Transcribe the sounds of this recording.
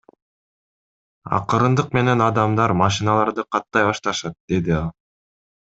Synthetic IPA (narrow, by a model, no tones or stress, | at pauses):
ɑ̰qɯɾɯnd̪ɯq̚me̞ne̞nɑd̪ɑmd̪ɑɾmɑʃ̬inɑlˠɑɾd̪ɯqʰɑt̪ːɑjβɑʃt̪ɑʃɑt̪̚d̪̥e̞d̪iɑlˠ